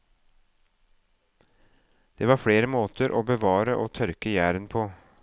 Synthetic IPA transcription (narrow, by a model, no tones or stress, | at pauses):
d̪̥eːʋɑːɾfɽeːɾəmoːt̪əɾʔoːbəʋɑːɾəʔoːt̪ʰœɾkəjæːɾənpʰoː